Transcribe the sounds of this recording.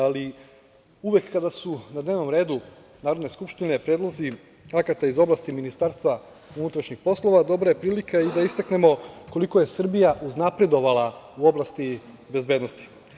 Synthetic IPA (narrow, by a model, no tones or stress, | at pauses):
ali | uʋe̞kːad̪asunad̪ne̞ːʋno̞mɾe̞ːd̪u | naːɾo̞d̪neskupʃt̪ine̞pɾed̪lˠozi | akat̪aizo̞blˠast̪iminist̪aːɾst̪ʋa | unut̪ɾaʃɲixpo̞slˠo̞ʋad̪o̞bɾaje̞pɾiːlikaid̪aist̪akne̞mo̞ko̞liko̞je̞sr̩bijaʔuznapɾe̞d̪o̞ʋalˠa | uo̞blˠast̪i | be̞zbeːd̪nost̪i̥